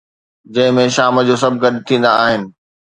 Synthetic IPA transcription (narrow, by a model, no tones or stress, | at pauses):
d͡ʑɐ̃ɦɪ̃mẽʃaːməd͡ʑoːs̬ɐbʱɡɐɾt̪ʰĩːnd̪aːɦɪnɪ̆